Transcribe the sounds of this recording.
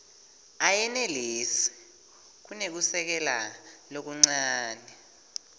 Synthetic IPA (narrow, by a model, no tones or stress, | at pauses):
ajɛnɛleːsi̥ | k̬unek̬usɛk̬ɛla̰lok̬uŋ͡ǀaːnɛ